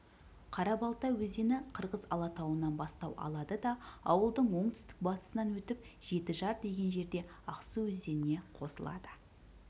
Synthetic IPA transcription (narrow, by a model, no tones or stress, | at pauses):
qʰɑɾɑbɑlˠt̪ɑwɵzd̪e̞nɪqʰəɾʁəzɑ̰lˠɑt̪ʰɑwənɑnbɑst̪ɑwʔɑ̰lˠɑd̪əd̪ɑɑwəlˠd̪əɴwo̞ɴt̪ʰʏ̥st̪ɪ̥k̚bɑt̪ə̥sənɑnwɵt̪ɪp̚ʒ̥e̞t̪ɪʒɑɾd̪e̞ɡʲe̞nʒe̞ɾd̪e̞ | ɑqsəwɵzd̪e̞nɪne̞qʰo̞səlˠɑ̰d̪ə̥